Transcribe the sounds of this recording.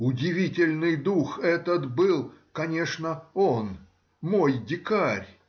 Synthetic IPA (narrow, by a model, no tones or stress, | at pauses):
ʊdʲɪvʲitʲɪlʲnɨjd̪uxɛt̪ət̪bɨlˠkɐnʲeʂnəon | mojdʲɪkaɾʲ